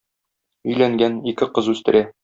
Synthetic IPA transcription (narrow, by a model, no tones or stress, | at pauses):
ɵ̆jlæŋɡænikɘqɤzʉst̪ɘ̆ɾæ